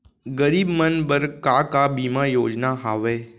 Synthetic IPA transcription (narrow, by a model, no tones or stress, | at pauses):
ɡəɾiːbmənbəɾkaːkabiːmajoːd͡ʒnaɦaːʋeː